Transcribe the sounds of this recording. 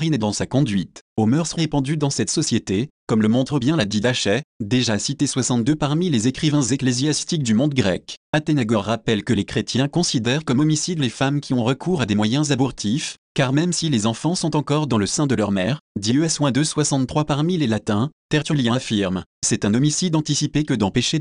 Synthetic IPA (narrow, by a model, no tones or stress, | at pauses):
ʁined̪ɑ̃sakɔ̃d̪ɥit̪omœʁsʁʁepɑ̃d̪yd̪ɑ̃sɛt̪sɔsjet̪ekɔmləmɔ̃t̪χəbjɛ̃lad̪id̪aʃɛd̪eʒasit̪eswasɑ̃t̪̚d̪øpaʁmilezekχivɛ̃zeklezjast̪ik̚d̪ymɔ̃d̪̚ɡʁɛkat̪enaɡɔʁːapɛlkəlekχet̪jɛ̃kɔ̃sid̪ɛʁkɔmɔmisid̪lefamkʲʰiɔ̃ʁəkʰuʁad̪emwajɛ̃zabɔʁt̪ʰifkaʁmɛmsilezɑ̃fɑ̃sɔ̃t̪ɑ̃kɔʁd̪ɑ̃ləsɛ̃d̪əlœʁmɛʁd̪iøaswɛ̃d̪əswasɑ̃t̪t̪χwapaʁmilelat̪ɛ̃t̪ɛʁt̪yljɛ̃afiʁmsɛt̪ɛ̃nɔmisid̪ɑ̃t̪isipekəd̪ɑ̃peʃe